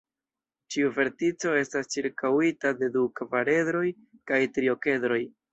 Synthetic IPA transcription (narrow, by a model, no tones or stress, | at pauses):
t͡ʃiuve̞ɾtit͡so̞e̞stast͡ʃiɾkawitade̞dukvaɾe̞dɾo̞j | kajtɾio̞ke̞dɾo̞j